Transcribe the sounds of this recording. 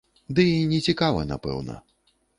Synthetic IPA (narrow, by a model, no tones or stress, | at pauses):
d̪ɨnʲɛt͡sʲikavɐ̰na̰pɛ̰wnɐ̰